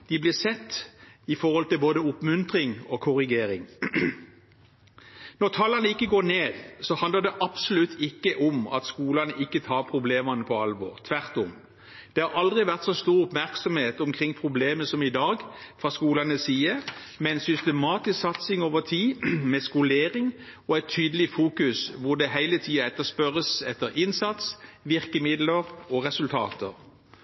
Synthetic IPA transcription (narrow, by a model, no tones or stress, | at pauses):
d̪̥ɪblɪːʁsɛt̪ːɪfɔʁhɔlt̪ɪlboːd̪əʊpmʉnt̪ʁɪŋokʰʊʁɪɡeːɾɪŋ | nɔʁt̪ʰɑlːɑnəɪkːəɡoːneːd̪sɔhɑnd̪əd̪ɛʔɑbsʊlʉt̪ʰːɪkːəʔʊmɑ̰t̪skuːlɑnəʔɪkːət̪ʰɑːʁpʰʁʊbleːmɑnəpʰɔɑlʋɔ̰ʁt̪ʰʋæʁt̪ʊm | d̪̥ɛhɑɾɑld̪ʁɪʋæʁt̪sɔst̪uːʁʊpmæʁksɔmheːt̪ɔmkʰʁɪŋːpʰʁʊbleːməsɔmɪd̪ɑːɡfʁɑːskuːlɑnəsiːəmɛnsʏst̪ɛmɑːt̪ɪsksɑt̪sɪŋoːʋəʁt̪ʰiːmɛskʊleːɾɪŋ | ɔɛɪt̪ʰːyːd̪əlɪfuːkʉsʋʊd̪ɛɦæɪlət̪ʰiːɑɛt̪ːəspœʁəsɛt̪ːəɾʔɪnsɑt̪sʋɪʁkəmɪd̪ləɾɔʁɛsʉlt̪ʰɑ̰ːt̪əɾ